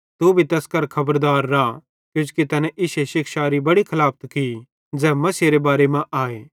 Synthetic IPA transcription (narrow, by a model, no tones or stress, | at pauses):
t̪ubʱit̪ɐskɐɾkʰɐbəɾd̪aːɾːaː | kjʊ̃ːt͡ʃkit̪ɐnɛ̃ʔɪʃeʃɪkʃaːɾibɐɽikʰɐlaːp̚ʰt̪ki | d͡zɛːmɐseɾebaːɾemãʔaːeː